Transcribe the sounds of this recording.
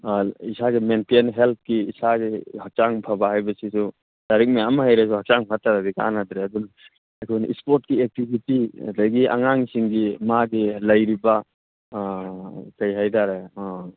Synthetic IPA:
isaɡimentenɦelp̚kiːsaɡihak̚t͡ʃaŋpʰabaɦajbɐsisu | daɾik̚miamaɦajɾes̬uhak̚t͡ʃaŋpʰataɾadika̰nadɾeadun | ajkʰɔnḭspɔɾt̚kiek̚tibitia̰dajɡiʔa̰ŋaŋsiŋɡimaɡilɐjɾiba | kajɦajtaɾe

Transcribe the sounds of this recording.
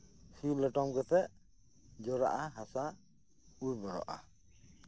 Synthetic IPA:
silɛʈɔmɡɛpʰɛ | d͡ʒɔɾa̰ʔaɦasa | uɾbɔɾɔ̰ʔa̰

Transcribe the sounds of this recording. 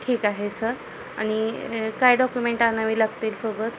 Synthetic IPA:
ʈʰiːkaɦesəɾ | a̰ɽ̃ikajɖɔkjumeɳʈanaʋiːləɡt̪eːlsobət̪

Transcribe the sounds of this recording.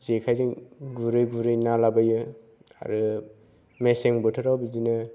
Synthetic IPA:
zekʰajziŋɡuɾɯjɡuɾɯjnalabajɯ | a̰ɾɯ | meseŋbɔtʰɯɾawbizinɯ

